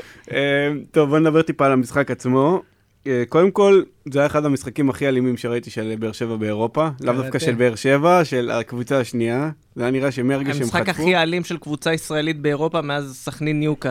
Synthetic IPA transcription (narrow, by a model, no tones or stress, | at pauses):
emt̪o̞vboned̪abet̪ipaːlamisχakat͡smo̞ | eko̞d̪e̞mko̞l | zajaeχad̪hamisχakimaχialimimʃeʁait̪iʃelbeːʁʃe̞vabe̞ːʁo̞palavdafkaʃʃelbeːʁʃe̞vaʃe̞la̰kvut͡saːʃnia | zajaniʁaʃemeaʁɡeʃemakaχialimʃelkvut͡saisʁaelit̪̚be̞ːʁo̞pameazsaχninjuka